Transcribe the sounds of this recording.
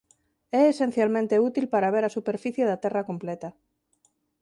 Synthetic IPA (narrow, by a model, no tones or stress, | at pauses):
ɛːsen̟θjalmẽnt̪eut̪ilpaɾaβ̞eɾasupeɾfiθjeðat̪ɛrakomplet̪a